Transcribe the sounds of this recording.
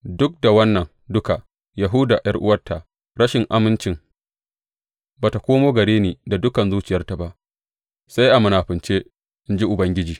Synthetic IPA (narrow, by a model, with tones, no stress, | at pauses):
dʊ˦k̚da˨wɐ˦nːɐ˨ŋ | dʊ˦ka˨ | ja˨ɦʊ˦da˨jʔɐ˦rʔʊ̰˦wɐ˦rtːa˨ʔ | ɽɐ˦ʃɪ˨ŋʔa˦mɪ˦nt͡ʃɪ˨ŋ | baː˨ta˨kʷoː˦moː˦ɡɐ˨ɽeː˦niː˨da˨dʊ˦kɐ˨nzuː˦t͡ʃɪ˨jɐ˦rta˨ba˦ʔ | sa˦jʔa˨mʊ˨naː˨ɸɪ˨nt͡ʃeː˦ | ʔɪ˦nd͡ʒi˦ʔʊ˨bɐ˦ŋɡʲɪ˦d͡ʒiː˨